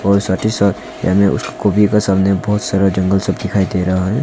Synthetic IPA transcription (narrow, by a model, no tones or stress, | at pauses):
ɔːɾsaʈisəb | ja̰mẽʔʊ̰skkobʱikasəbnebəɦʊt̪səɾəd͡ʒə̃ŋɡəlsəbd̪ɪkʰaːid̪eɾəɦaɦɛ̃